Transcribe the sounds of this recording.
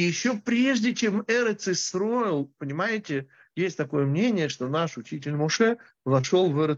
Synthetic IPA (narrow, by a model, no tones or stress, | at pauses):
jɪɕːopɾʲeʐdʲɪt͡ɕe̞mɛɾət̪sɨst̪ɾo̞jɪlˠpənʲɪmajɪtʲɪ | jesʲtʲt̪ɐko̞jəmnʲenʲɪjəʂt̪o̞naʂʊt͡ɕitʲɪlʲmʊʂɛ | vɐʂo̞lˠvɛɾə